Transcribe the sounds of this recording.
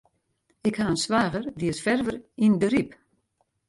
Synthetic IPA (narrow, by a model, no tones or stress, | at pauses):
ɪkhaənsʋaːɣərdiəsfɛrvərindəɾip